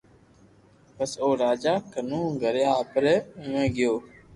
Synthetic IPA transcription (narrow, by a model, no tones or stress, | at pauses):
pəsoːɾaːd͡ʒaːkənũːɡʱəɾjaːpɾeːʊmẽːɡɪjoː